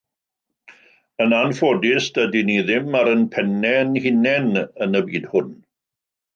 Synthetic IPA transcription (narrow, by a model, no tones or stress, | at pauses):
ənanfodɪsd̥ədiniðɪmaɾənpʰɛnɛnhɪnɛnənəbiːd̥hʊn